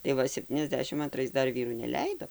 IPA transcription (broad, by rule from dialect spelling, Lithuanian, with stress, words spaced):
tɐɪ ˈʋɐ sʲɛpʲˌtʲiːnʲɛzʲˈdʲæːʃʲɪm ɐnˈtrɐɪs ˈdɐr ˈʋʲiːruː nʲɛˈlʲɛɪdoː